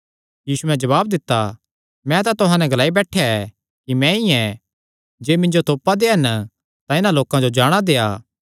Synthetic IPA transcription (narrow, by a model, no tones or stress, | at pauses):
jiːsuɛ̃d͡ʒɐβaːb̚d̪ɪt̪ːa | mɛ̃t̪ãt̪ʊɦãnɛɡɐlaːibɛːʈʰjaɛ | kimɛ̃iɛ̃ | d͡ʒeːmɪ̃ɲd͡ʒot̪oːpad̪eːɦɐn | t̪ãɪnãloːkãd͡ʒod͡ʒaːɽ̃ad̪eːaː